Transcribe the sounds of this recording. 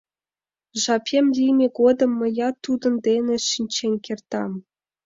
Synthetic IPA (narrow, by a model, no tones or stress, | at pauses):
ʐɑpʲemlʲimʲeɡod̪ɤ̆mːɤ̆jɑt̪ːud̪ɤ̆nd̪enʲĕʃinʲt͡ɕenʲkʲert̪ɑm